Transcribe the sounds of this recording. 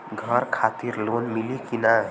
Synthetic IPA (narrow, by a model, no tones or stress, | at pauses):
ɡʱʌɾkʰat̪iɾlonmilikina